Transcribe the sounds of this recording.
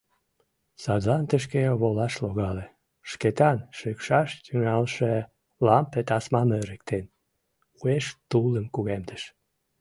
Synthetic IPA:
sɑd̪lɑnt̪əʃ̬keβolɑʃloɣɑle | ʃket̪ɑnʃøkʃɑʃt̪yŋɑlʃe | lɑmpet̪ɑsmɑmøɾək̚t̪en | ueʃt̪uləmkuɣemd̪əʃ

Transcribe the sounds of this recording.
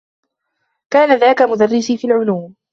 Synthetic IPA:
kaːnaðaːkamʊd̪arːɪsiːfiːlʕʊluːm

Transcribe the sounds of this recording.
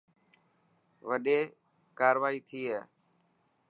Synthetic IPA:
ʋəɗeː | kaːɾʋaːiːt̪ʰiːɦeː

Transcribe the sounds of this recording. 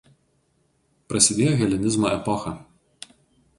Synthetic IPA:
pɾɐsʲɪd̪ʲeːjoːɣʲɛlʲɪnʲɪzmoʔɛpɔxɐ

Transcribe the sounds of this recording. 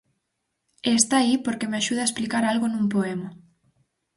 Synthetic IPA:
est̪aipoɾkemeaʃuðɐaesplikaɾalɣonũmpoema

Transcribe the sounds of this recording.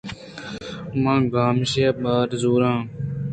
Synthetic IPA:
mãːɡaːmʃeːɓaːɾzuːɾãː

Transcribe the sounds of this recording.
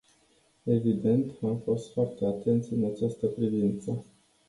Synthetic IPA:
e̞vid̪e̞nt̪amfo̞st̪foart̪e̞at̪e̞nt̪sʲɨnat͡ʃast̪əpɾivint̪sə

